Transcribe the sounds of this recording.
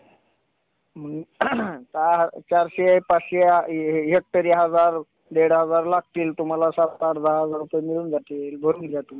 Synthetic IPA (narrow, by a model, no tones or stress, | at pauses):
m̤ənt̪at͡ɕaɾɕepat͡sɕeɦek̚t̪əɾiɦəd͡zaɾ | ɖ̪eɽɦəd͡zaɾlak̚ʰʈ̪iːlt̪um̤alasat̪aɾd̪aɦəd͡zaɾupəjemiluːnd͡zat̪iːlbʱəɾuːnd͡zat̪um̤